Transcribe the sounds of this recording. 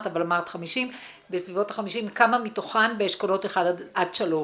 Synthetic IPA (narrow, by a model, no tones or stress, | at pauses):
tavalamaʁt̪χamiʃim | besvivo̞tḁχamiʃimkamamitoχanbeeʃkolo̞teχaddʔadʃalo